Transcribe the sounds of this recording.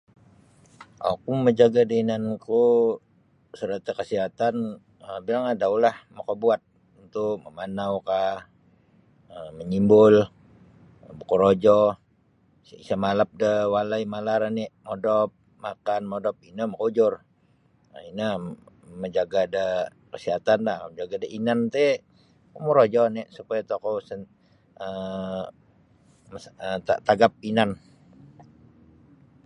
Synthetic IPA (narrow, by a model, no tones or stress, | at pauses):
ʔa̰kuməd͡ʒaɡadəinanku | səɾət̪akəsiɦat̪an | əbilaŋadaulahmakobuat̪̚ | unt̪ukməmanawka | əməɲimbʊl | bukuɾod͡ʒɔ | səmalap̚dəwalaimalaɾaniʔmodɔp̚ | makanmodɔp̚inəməkod͡ʒʊr | əinə | məd͡ʒaɡada | kəsiɦat̪anlahməd͡ʒaɡadaʔinant̪e | umuɾod͡ʒɔneʔsupajat̪okɔsə | ə | ət̪at̪aɡap̚inan